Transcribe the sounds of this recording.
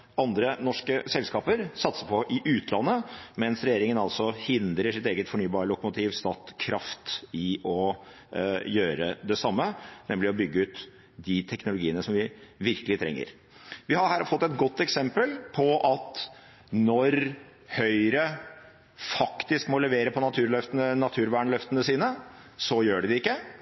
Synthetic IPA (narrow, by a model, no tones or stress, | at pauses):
ɑnd̪ɾənɔʂkəsɛlskɑːpəɾsɑt̪səpʰɔʔɪʔʉːt̪ʰlɑnːəmɛnsɾɛjeːɾɪŋənɑlsɔhɪnd̪ɾəʂɪt̪eːɡət̪fɔɳyːbɑːɾəlʊkʊmʊt̪ʰiːʋst̪ɑːt̪kʰɾɑft̪ɪʔɔ | jøːɾə̰d̪ɛsɑmːənɛmlɪɔbʏɡːəʉːt̪ | d̪ɪt̪ʰɛknʊlʊɡiːənəsɔmʋɪʋɪɾkəlɪt̪ʰɾɛ̰ŋːə̰ɾ | ʋɪhɑɾhæːɾfɔt̪ːɛt̪ɡɔt̪ːɛksɛmpəlpʰɔʔɑt̪ | nɔɾ | hœʏɾə | fɑkt̪ɪskmɔlɛʋeːɾəpʰɔnɑt̪ʰʉːɾlœft̪ənənɑt̪ʰʉːɾʋæːɳlœft̪ənəsiːnəsɔjøːɖɛd̪ɪɪkːə